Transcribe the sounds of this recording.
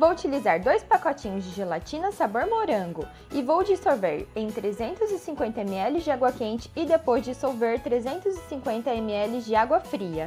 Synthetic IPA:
vowut͡ʃilizaɾd̪ojspakɔt͡ʃĩɲʊzd͡ʒɪʒelat͡ʃĩnɐsaboɾmoɾɐ̃ŋɡʊ | ɪvowd͡ʒisowveɾẽj̃t̪ɾezẽnt̪ʊzɪsĩŋkwẽnt̪ɐemɪɛlɪzd͡ʒɪaɡwɐkẽnt͡ʃɪ̥ːd̪epojzd͡ʒɪsowveɾt̪ɾezẽnt̪ʊzɪsĩŋkwẽnt̪ɐemɪɛlɪzd͡ʒɪaɡwɐfɾiɐ

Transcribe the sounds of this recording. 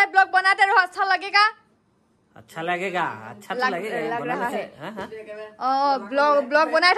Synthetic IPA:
ɛblɔk̚bɔnajtɛɹoastʰalaɡɛka | a̰tːʃʰalaɡɛɡaa̰tːt͡ʃʰalaɡlaɡɹaɦaɦɛ | ɔ̃blɔkblɔk̚bɔnajtʰ

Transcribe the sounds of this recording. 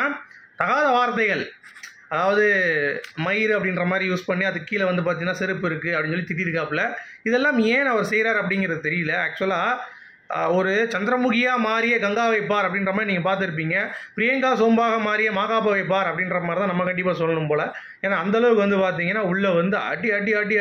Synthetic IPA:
t̪ɐɣaːðɐʋaːɾt̪ːɐɪɣɐɭ | ɐðaːʋɐðɯ | mɐjɾɯɐpːɐɽɪnɾɐmaːd̪ɾijuːspɐɳːiɐðɯkːiːlɐʋɐnd̪ɯpaːɾt̪iŋɐnaːsɪɾɯpːɯɪɾɯkːɯɐpɐɽɪ̃nsɔlːit̪ɪɽɪɾkaːpɪlɐɪðɛlːãːmeːnɐʋɐɾɯsɛjɾaːɾɐp̬ːɐɽɪŋɡɪɾɐðɯt̪ɛɾɪjɯlɐaːk̚t͡ʃʊɐlaː | ɔɾɯt͡ʃɐnd̪ɪɾɐmʊɣɪjaːmaːɾɪjeɡɐŋɡaːʋɐɪpːaːɾɐpːɐɽɪnɾɐmaːd̪ɾiniːŋɡɐp̬aːɾt̪̬ɪɾɯp̬ːiːŋɡɐpɾɪjɐŋɡaːsoːmbaːɣɐmaːɾɪjemaːɣaːp̬ɐʋɐɪp̬ːaːɾɐpːɐɽɪnɾɐmaːɾit̪ãːnɐmːɐkɐɳɖɪpːaːsɔlːɐnɯmpoːlɐ | eːnaːnd̪ɐlɐʋɯkːɯʋɐnd̪ɯpaːɾt̪̬iːŋɡɐnːaːʊɭːɐʋɐnd̪ɯɐ̰ʈːiɐʈːiaːʈːi

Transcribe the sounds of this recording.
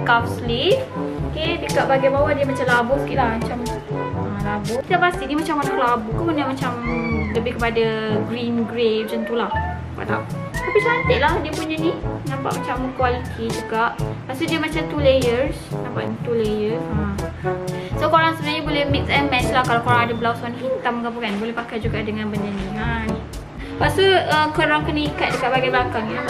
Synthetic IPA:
kap̚slifokedəkaʔbaɡajbawadiəmat͡ʃamlabukiʔlahmat͡ʃam | əlabokid̪aʔpast̪iʔnimat͡ʃamkanaʔlabukupunamat͡ʃamləbɪhkəpadaɡɾinɡɾef̚sant̪ulah | pa̰ʔt̪a̰ʔ | t̪apit͡ʃant̪eʔlahdiəpuɲaninampa̰ʔmat͡ʃamkwalit̪ʰid͡ʒuɡaʔpaʔsudiəmat͡ʃat̪ulejərsnãmpa̰ʔit̪ulejəsa | sokoɾaŋsəbənaɲabolɛhmik̪̚sɛmɛnslahkalakoɾaŋadəbəlawsɔnhit̪amkapukanbolɛhpakajd͡ʒuɡaʔdəŋãnbəɲd͡ʒaniani | pasuəkəɾaŋkənikat̪̚dəkaʔbaɡajbəlakaŋ

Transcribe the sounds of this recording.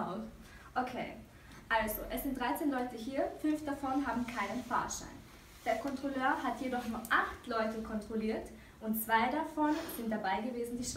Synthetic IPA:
ʔokʰeː | ʔalzoʔɛsz̥ɪntdʁaɪt͡seːnlɔʏtəɦiːɐfʏnfd̥afɔnɦaːbm̩kʰaɪnənfa̰ɐʃa̰ɪn | d̥eːɐkʰɔntʁ̥oløːɐhatjedɔχnuːɐʔaχtlɔʏtəkʰɔntʁ̥oliːɐt | ʔʊntt͡sv̥aɪdafɔnz̥ɪnt̚d̥abaɪɡəveːzn̩diːʃ

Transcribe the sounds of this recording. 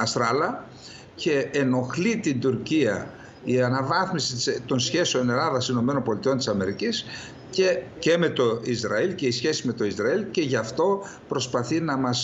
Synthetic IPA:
ɐsɾɐlɐ | ce̞ːno̞xlit̪ind̪uɾciɐ | iɐnɐvɐθmisit̪ist̪o̞nsçe̞seo̞ne̞lɐðɐsino̞meno̞nbo̞lit̪io̞nt̪i̥sɐme̞ɾicis | cece̞me̞t̪o̞izɾɐilce̞isçe̞sizme̞t̪o̞izɾɐilce̞ʝɐft̪o̞ | pɾo̞spɐθinɐmɐs

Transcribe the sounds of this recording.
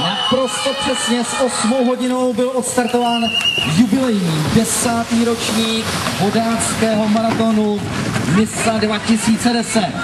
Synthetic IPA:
napɾo̞st̪ɛpr̥ɛsɲɛsʔo̞smowɦo̞ɟɪno̞wbɪlʔot̪st̪aɾt̪o̞vaːnjubɪlɛjɲiːdɛsaːt̪iːɾo̞t͡ʃɲiːkɦodaːskɛːɦo̞maɾat̪o̞nu | mɪsadvacɪsiːt͡sɛdɛsɛt̪

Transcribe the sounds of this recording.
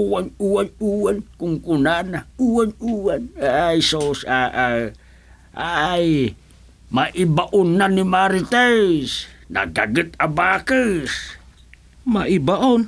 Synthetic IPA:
uwanuwanuwankuŋkunanauwanuwanajsosaʔa | aj | maʔibaʔʊnːanimaɾit̪esna̰ɡaɡət̪abakəs | maʔibaʔon

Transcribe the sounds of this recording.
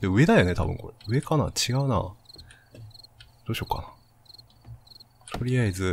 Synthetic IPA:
d̪eɯ̟e̞d̪ajone̞t̪ʰa̰bɯ̟̃ŋko̞ɾeɯ̟e̞kana̰t͡ɕiɡaɯ̟na̰ | d̪̥oːɕoka̰na | t̪ʰo̞ɾʲijaizɨ

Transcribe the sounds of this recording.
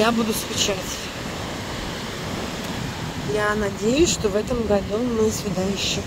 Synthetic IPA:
jabud̪ʊskʊt͡ɕatʲ | janɐdʲejʊsʲʂt̪ovɛt̪əmɡɐd̪umɨsvʲɪd̪ajʉɕːɪ

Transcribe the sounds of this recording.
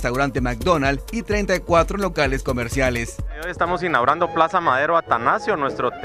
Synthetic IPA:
st̪awɾant̪e̞mak̚d̪o̞nalit̪ɾe̞jnt̪ajkwat̪ɾolo̞kale̞sko̞me̞ɾsjale̞sojest̪amosinːawɾand̪o̞plasamaðe̞ɾoat̪anasjonwe̞st̪ɾot̪

